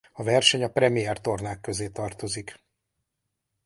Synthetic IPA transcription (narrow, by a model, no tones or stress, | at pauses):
ɒvɛrʃɛɲɒprɛmiɛrt̪o̞rnaːkːø̞zeːt̪ɒrt̪o̞zik